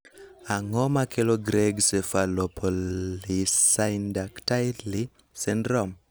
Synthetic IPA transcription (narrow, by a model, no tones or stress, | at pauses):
aŋɔmakʰeloɡɾeɡsefalɔpʰɔisaɪndaktali | sɛndɾɔm